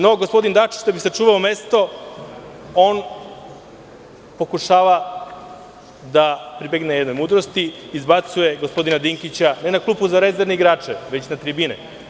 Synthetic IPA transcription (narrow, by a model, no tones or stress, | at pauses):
no̞ɡospo̞d̪ind̪at͡ʃi̥t͡ɕd̪abisat͡ʂuːʋaome̞st̪o̞ | o̞ːn | po̞kuʃaːʋa | d̪apɾibeɡnejed̪nojmuːd̪ɾost̪iiːzbat̪suje̞ɡospo̞d̪inad̪iŋkit͡ɕanenaklˠuːpuzaɾe̞zeɾneiɡɾaːt͡ʂeʋe̞t͡ɕnat̪ɾibinḛ